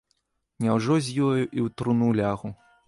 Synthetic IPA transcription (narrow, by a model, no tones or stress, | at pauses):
nʲawʐɔzʲjilˠɐjuʔiwt̪ɾunulʲaɣu